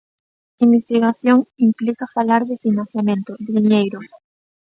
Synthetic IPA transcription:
imbest̪iɣaθjoŋimplikafalaɾðɪfinãn̟θjamẽnt̪oðɪðiɲejɾʊ

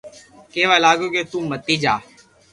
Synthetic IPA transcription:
keːʋaːlaːɡoːket̪ũːmət̪ːiːd͡ʒaː

